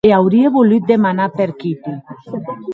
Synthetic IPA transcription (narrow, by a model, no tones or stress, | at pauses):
eawɾieβolit̪̚d̪emanapeɾkipi